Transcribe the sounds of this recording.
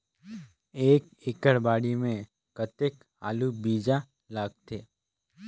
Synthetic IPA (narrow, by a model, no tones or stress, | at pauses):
eːk | eːkəɽbaːɽimẽ | kət̪ek | a̰ːlubiːd͡ʒa | laːɡ̚t̪ʰeː